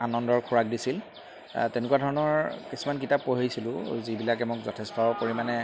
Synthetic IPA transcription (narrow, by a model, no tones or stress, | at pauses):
anɔndɔɹkʰuɹak̚disil | tɛnʊkuadʱɔɹɔnɔɹkisumank̬itapːoɦijsilʊ̃zibilakɛmokzɔtʰɛstɔpoɹimanɛ